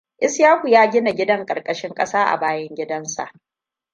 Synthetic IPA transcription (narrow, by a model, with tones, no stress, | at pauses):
ʔɪ˦sjaː˦kʷu˨jaː˦ɡʲɪ˦na˨ɡʲɪ˦dɐ˦ŋkʼɐ˨rkʼɐ˨ʃɪ˦ŋkʼɐ˦saː˦ʔa̰˨baː˦jɐ˦ŋɡʲɪ˦dɐ˦nsa̰˨ʔ